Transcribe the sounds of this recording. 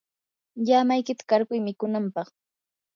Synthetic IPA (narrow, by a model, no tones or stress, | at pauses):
jamajkɪt̪ḁkaɾkʊjmɪkʊnampɑχ